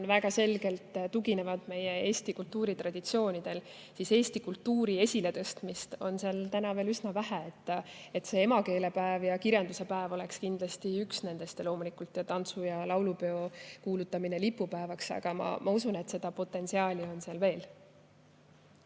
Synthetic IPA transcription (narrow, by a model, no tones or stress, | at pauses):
nvæɡɑse̞lɡe̞lt̪ˑt̪uɡine̞vɑd̪̥me̞jee̞ːsʲt̪ikult̪ːuːɾit̪rɑd̪̥it̪sio̞ːnid̪̥e̞l | sise̞ːst̪ikult̪ːuːɾie̞sʲile̞t̪ɤ̞st̪mist̪o̞nseɑlt̪ænɑve̞ːlysnɑvæɦæet̪ːe̞t̪se̞e̞mɑke̞ːle̞pæevjɑkiɾjɑnd̪use̞pæevo̞le̞kskind̪lɑst̪iyksne̞nd̪̥e̞st̪elo̞ːmulikult̪ːˑjɑt̪ɑnt̪sujɑlɑwlupe̞o̞kuːlut̪ːˑɑmine̞lipːˑupæevɑksɑ̰ɡ̥ɑ̰mɑ̰mʔɑusune̞t̪se̞d̪̥ɑpo̞t̪ːˑe̞nsiɑːlʲio̞nseɑlve̞ːl